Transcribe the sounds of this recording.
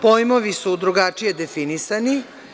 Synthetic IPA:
po̞jmo̞ʋisud̪ɾuɡat͡ʂije̞d̪e̞finisani

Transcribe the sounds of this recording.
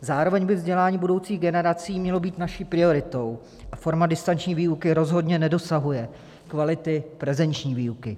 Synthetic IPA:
zaːɾo̞vɛɲbɪvzɟɛlaːɲiːbudo̞wt͡siːɣɡɛnɛɾat͡siːmɲɛlo̞biːt̪naʃiːpɾɪo̞ɾɪt̪o̞w | ʔafo̞ɾmadɪst̪ant͡ʃɲiːviːukɪɾo̞zɦo̞dɲɛnɛdo̞saɦujɛ | kvalɪt̪ɪpɾɛzɛnt͡ʃɲiːviːukɪ

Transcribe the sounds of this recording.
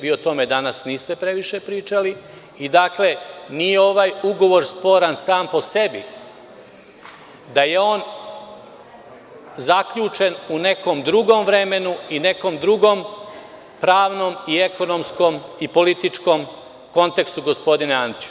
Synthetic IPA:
biot̪o̞me̞d̪anasniːst̪epɾe̞ʋiʃe̞pɾiːt͡ʃali | id̪aːkle̞nijeo̞ʋajuɡo̞ʋo̞ɾspo̞ːɾansaːmpo̞se̞bḭ | d̪aje̞o̞ːn | zakʎuːt͡ʃe̞nune̞ko̞md̪ɾuɡo̞mʋɾe̞me̞nuine̞ko̞md̪ɾuɡo̞m | pɾaːʋno̞mie̞ko̞no̞msko̞mipo̞lit̪it͡ʂko̞m | ko̞nt̪e̞kst̪uɡo̞spo̞d̪ineand̪it͡ʃ

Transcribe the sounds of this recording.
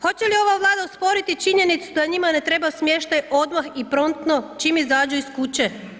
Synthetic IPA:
xo̞t͡ɕelio̞ʋaʋlˠaːd̪auspo̞ɾit̪it͡ʃiɲe̞nit̪sud̪aɲimane̞t̪ɾe̞basmje̞ʃt̪ajʔo̞d̪maxipɾo̞nt̪no̞t͡ʃimizaːd͡ʑuiskut͡ɕe̞

